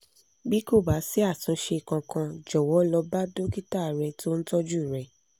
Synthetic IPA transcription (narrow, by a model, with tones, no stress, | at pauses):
bi˦ko˦˨ba˨˦si˦a˦˨tũ˨˦ʃe˧˨kã˧kã˧d͡ʒɔ˨wɔ˨˦lɔ˧ba˦do˦ki˦ta˦˨ɾɛ˧to˦n̩˦tɔ˦d͡ʒu˦i˨ɾɛ˧˨